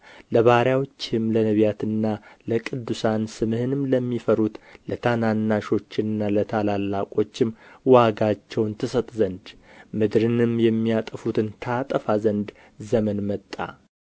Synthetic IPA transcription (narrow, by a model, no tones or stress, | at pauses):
ləβahɾjawot͡ʃːɪmlənəβjat̪ʰɨnːaləkʼɨd̪ːusansɨmɨhɨnɨmləmːifəɾut̪lət̪ʰananːaʃo̞t͡ʃːɪnɨnːalət̪ʰalalːakʼo̞t͡ʃːɪmwaɡat͡ʃːɛwnt̪ʰɨsət̪ʼzənd̪mɨd̪ɾɨnɨmjɛmːijat̪ʼəfut̪ʰɨnt̪ʰat̪ʼəfazənd̪ | zəmənmət̪ʼːa̰